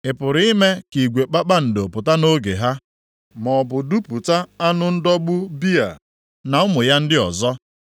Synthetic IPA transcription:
ɪ˨pʊ˨ɾɪ˨˦me˦ki˨ɡʷe˨k͡pa˦k͡pa˦n̩˨do˨pʊ˨ta˦no˦ɡe˨ɦa˦ | mɔ˨bʊ˨du˦pu˨ta˦a˦nʊ˦n̩˦dɔ˦ɡ͡bʊ˦bi˦a̰˨ | na˨ʊ˦mʊ˨ja˦n̩˦dɪ˦ɔ˨zɔ˦

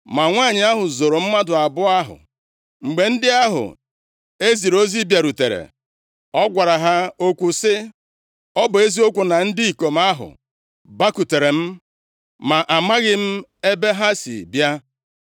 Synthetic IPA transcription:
ma˨ŋʷa˦˨ɲɪ˨a˦ɦʊ˨zo˨ɾo˨m̩˦ma˦dʊ˨a˨bʊ˦a˦ɦʊ̰˨ | ŋ͡m̩˨ɡ͡be˨n̩˦dɪ˦a˦ɦʊ̰˨ | e˦zi˨ɾo˦zi˦bja˨ɾu˨te˨ɾḛ˨ | ɔ˦ɡʷa˨ɾa˨ɦa˦o˦kʷu˨sɪ˦ | ɔ˦bʊ˨e˦zi˦o˦kʷu˨na˨n̩˦di˦i˨ko˨m̩˦a˦ɦʊ̰˨ | ba˦ku˨te˨ɾe˨m̩˦ | ma˨ʔa˨ma˦ɣɪ˦m̩˦e˦be˦ɦa˦sḭ˨bja˦

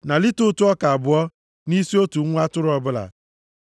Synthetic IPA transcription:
na˨lɪ˦tʊ˦tʊ˦ɔ˦ka˨a˨bʊ˨ɔ˦ | ni˦si˦o˦tu˨˦ŋʷ˦a˦tʊ˦ɾʊ˦ɔ˦bʊ˦la̰˨

